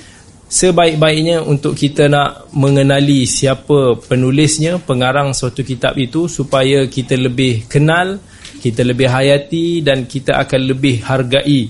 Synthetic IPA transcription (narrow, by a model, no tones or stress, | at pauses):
səbaɪʔk̚baɪʔɲaʔunt̪ʊʔkːit̪anaʔmə̃ŋənãlisiapəpənulɪsɲãpəŋaɾaŋsat̪ukit̪a̰pit̪usupajakit̪aləbɪhkənal | kit̪aləbɪhɦajat̪idankit̪aʔa̰kanləbɪhharɡaʔi